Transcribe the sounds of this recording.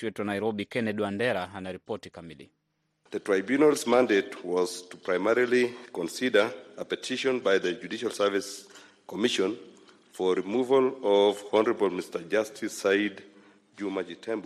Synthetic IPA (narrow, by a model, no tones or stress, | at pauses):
wɛtuanajɾɔbikɛnɛdwandɛɾaanaɾipɔtikamilḭ | ðətɹ̥aɪbjunalˠzmãndetwɔz̥tupʰɹajmɛɹilikɔ̃nsidə˞əpɛtʰiʃɔ̃nbajðəd͡ʒudiʃalˠsə˞vis | kɔmiʃɔ̃n | fɔɹimuvəlɔvɔnəɹəbəlˠmistə˞d͡ʒastʰisaɪd | d͡ʒumad͡ʒitʰɛ̃mb